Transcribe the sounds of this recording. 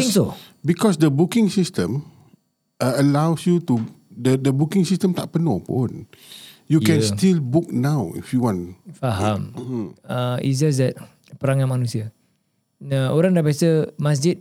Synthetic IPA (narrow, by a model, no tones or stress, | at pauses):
iŋsobikɔsdəbukĩŋsistə̃m | əlawsjutudədəbukĩŋsistə̃mt̪a̰ʔ̚pənopoõn | jukɛ̃nstilbuk̚nawḭfjuwɔ̃nfaɦam | əḭsd͡ʒas̬dɛt̚ | pəɾaŋãnmanũsia | əoɾaŋdabiasəmas̬d͡ʒit̚